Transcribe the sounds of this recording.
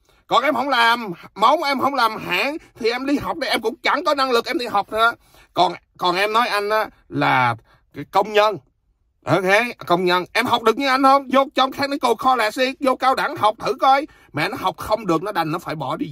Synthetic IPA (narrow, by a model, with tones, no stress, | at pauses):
kɔ˨˩nʔɛ˧mhə˧˥wŋ͡mlaː˨˩mːə˨˦wŋ͡mʔɛ˧mhə˧˩wŋ͡mlaː˨˩mha̰ː˧˥ŋt̪ʰi˨˩ʔɛ˧mɗi˧ɦa˨˩wk͡p̚ɗə˧jʔɛ˧mkʊ̰˧˥ŋ͡mt͡ɕa˧˩ŋkɔ˨˦na˧ŋlɨ˨˩k̚ʔɛ˧mɗi˧ɦa˨˩wk͡p̚tː | kɔ˨˩n | kɔ˨˩nʔɛ˧mnɔ˨˦jʔa˧jŋ̟ʔaː˨˦ | laː˨˩ | kaː˨˦kə˧wŋ͡mɲə˧n | ʔo˧ke˨˦kə˧wŋ͡mɲə˧nʔɛ˧mha˨˩wk͡p̚ɗɨ˨˩ək̚ɲɨ˧ʔa˧jŋ̟hə˧wŋ͡mzo˧t͡ɕɔ˧wŋ͡mxaː˦˥k̚ni˨˧˦ku˨˩xɔ˧laː˨˩si˧zo˧kaː˧wɗaː˧˩ŋha˨˩wk͡p̚t̪ʰɨ̰˧˩kɔ˧j | ma̰ː˨nɔ˨˦ɦa˨˩wk͡p̚xə˧wŋ͡mɗɨ˨˩ək̚nɔ˨˦ɗa˨˩jŋ̟nɔ˨˦faː˧˩jɓɔ˧˩ɗi˧